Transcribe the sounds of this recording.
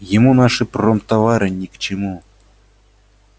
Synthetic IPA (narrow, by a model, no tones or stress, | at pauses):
jɪmunaʂɨpromt̪avaɾɨnʲikt͡ɕɪmu